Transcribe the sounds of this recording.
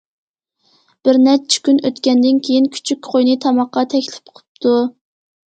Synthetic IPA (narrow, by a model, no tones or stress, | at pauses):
b̥ɪɾnɛt͡ʃʰːi̥kʲynøt̪kʲɛnd̪ɪnkʲʰejinkʲʰy̥t͡ʃʰykʲqʰojnɨt̪ʰɑmɑqːɑt̪ʰɛkʲlɪ̥p̚qʰʊ̥p̚t̪ʰu